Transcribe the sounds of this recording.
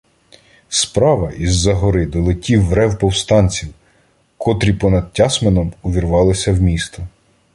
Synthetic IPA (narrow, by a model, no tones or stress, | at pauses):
spɾɑʋɐʔizːɐɦɔɾɪd̪ɔlˠɪtʲiwːɾɛwpɔwst̪ɑnʲt͡sʲiw | kʰɔt̪ɾʲipɔnɐd̪̚tʲɑsmenɔmuʋʲirʋɑlˠɪsʲɐwmʲist̪ɔ